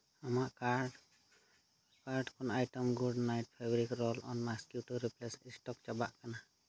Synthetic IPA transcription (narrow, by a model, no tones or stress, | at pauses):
amaʔkaɾɖ | kaɾɖkʰɔnajʈɔmɡuɖnajʈ̚pʰabɔɾikɾɔlɔ̰nmaskjuʈuɾiplɛsisʈɔk̚t͡ʃabaʔkana